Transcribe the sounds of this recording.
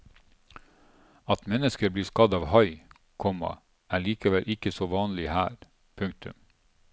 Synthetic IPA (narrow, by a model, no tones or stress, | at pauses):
ɑt̪mɛnəskəɾbliːskɑd̪ɑːʋhɑɪ | kʰɔmɑ̰ | ʔæːɭiːkəʋɛlʔɪkəsoːʋɑːnlɪhæ̰ːɾ | pʰʉŋk̚t̪ʉ̰m